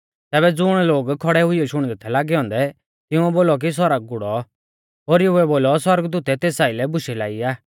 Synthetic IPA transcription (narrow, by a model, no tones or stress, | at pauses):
t̪ɛːbɛd͡zʊɽ̃loːɡkʰɔɽɛɦʊijɔʃʊɽ̃d̪ɛt̪ʰɛlaːɡɛɦɔ̃ːnd̪ɛ | t̪ɪʊ̃ɛboːlɔk̬is̬ɔɾaɡ̚ɡʊɽɔ | ɦoːɾɪjoɛboːlɔswɐɾəɡd̪uːt̪ɛt̪eːsaːɪlɛbʊʃɛlaːiaː